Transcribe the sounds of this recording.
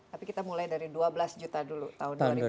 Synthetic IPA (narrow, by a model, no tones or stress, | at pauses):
tt̪apikit̪amulajdaɾiduabəlasd͡ʒut̪adulut̪aunɾ